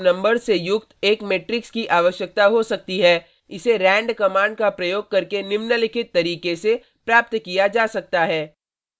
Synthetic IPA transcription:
nɐ̃mbəɾsejʊkt̪eːkmeːʈɾɪkskiʔaːʋəʃjək̚t̪aɦosɐk̚t̪iɦɛː | ɪseɾɛ̃ːɳɖkɐmãːɳɖkapɾɐjoːɡ̚kɐɾkenɪʋnəlɪkʰɪt̪ːɐɾiːkese | pɾaːp̚t̪kijad͡ʒaːsɐk̚t̪aɦɛː

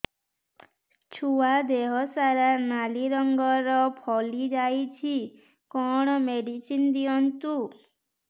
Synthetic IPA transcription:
t͡ʃʰuad̪eɦɔsaɾanaliɾɔŋɡɔɾɔpʰɔlid͡ʒajt͡ʃʰi | kɔɽ̃ɔmeɽisind̪iɔnt̪u

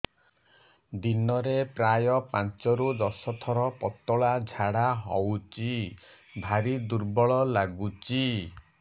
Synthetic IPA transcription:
d̪inɔɾepɾajɔpant͡ʃɔɾud̪ɔsɔt̪ʰɔɾɔpɔt̪ɔɭad͡ʒʱaɽaɦɔwt͡ʃi | bʱaɾid̪uɾbɔɭɔlaɡut͡ʃi

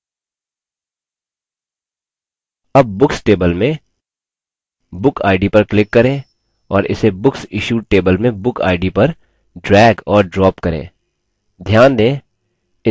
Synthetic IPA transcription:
ɐb̚ːʊksʈeːbəlmẽ | bʊkʰa̰ːɪɖipɐɾklɪkːɐɾẽː | ɔːɾɪ̰sebʊksɪʃuːʈeːbəlmẽbʊka̰ːɪɖipɐɾ | ɖɾɛːɡɔːɾɖɾɔːpkɐɾḛ̃ː | d̪ʱjaːnd̪ẽː | ɪ

